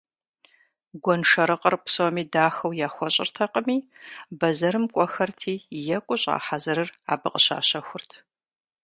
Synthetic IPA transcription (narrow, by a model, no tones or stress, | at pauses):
ɡʷɔnʂɐɾɨqʼərpʰsomiːdaːxɐwjaːxʷɔɕʼɪ̰rtʰɐqʼəmiːbɐzɐɾɨmkʷʼɔxɐrtʰiːjɛkʷʼʊɕʼa̰ːħazɨɾɨra̰ːbɨqʼəɕa̰ːɕɐxʷʊrtʰ